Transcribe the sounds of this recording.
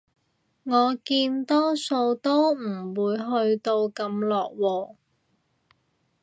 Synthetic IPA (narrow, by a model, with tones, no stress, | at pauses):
ŋɔː˨˧kiː˧nt̪ɔː˥so˧wt̪o˥wm̩˨˩wuː˨˧jɦɵ˧ɥt̪o˧wkɐ˧mlɔː˨k̚wɔː˧